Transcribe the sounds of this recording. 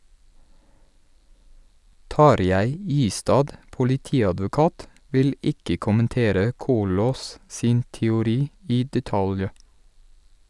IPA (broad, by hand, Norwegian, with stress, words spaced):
ˈtɑɾjæɪ ˈiːstɑːd pʊlɪˈtiːɑdʋʊˌkɑːt ˈʋɪl ˈɪkə kʊmənˈteːɾə ˈkuːloːs ˈsiːn tɛʊˈɾiː ˈiː dɛˈtɑlj